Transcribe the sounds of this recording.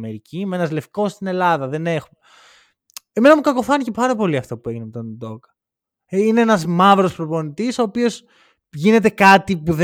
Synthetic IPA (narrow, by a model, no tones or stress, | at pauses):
me̞ɾicimee̞nɐzle̞fko̞sst̪ine̞lɐðɐðe̞ne̞xume | eme̞nɐmukɐko̞fɐnice̞pɐɾɐpo̞liɐft̪opue̞ʝinemet̪onud̪o̞kɐ̥ | ineenɐzmɐvɾo̞spɾo̞po̞nit̪iso̞ːpio̞s | ʝine̞t̪e̞kɐt̪ipuð